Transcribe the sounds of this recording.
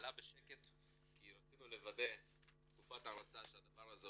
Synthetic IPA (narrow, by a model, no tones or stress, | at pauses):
labeʃeke̞t̪ | kiɾat͡sinule̞vade̞ | t̪kufataɾat͡saʃead̪avaʁaze